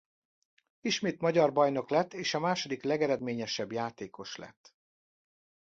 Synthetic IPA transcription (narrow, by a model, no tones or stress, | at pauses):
iʃmeːt̪mɒɟɒrbɒjno̞klɛt̪ːeːʃɒmaːʃo̞d̪iklɛɡɛɾɛd̪meːɲɛʃɛbjaːt̪eːko̞ʃlɛ̰t̪ː